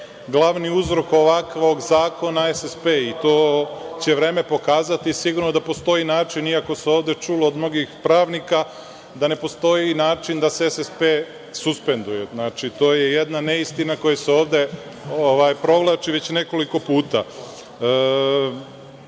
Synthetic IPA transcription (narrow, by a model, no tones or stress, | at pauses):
ɡlˠaʋniuzɾo̞ko̞ʋakʋo̞ɡzaːko̞naesespeːit̪o̞ːt͡ɕe̞ʋɾe̞ːme̞po̞kaːzat̪isiɡuɾnod̪apo̞st̪o̞inaːt͡ʃiniako̞seoːʋd̪e̞t͡ʃuːloːd̪mno̞ɡixpɾaːʋnika | d̪ane̞po̞st̪o̞jinaːt͡ʃind̪aseesespe̞ | suspe̞nd̪uje̞znaːt͡ʃit̪o̞ːjejed̪nane̞ist̪inako̞jaseo̞ːʋd̪e̞ | oʋaːjpɾo̞ʋlˠaːt͡ʃiʋe̞t͡ɕneko̞liko̞puːt̪a̰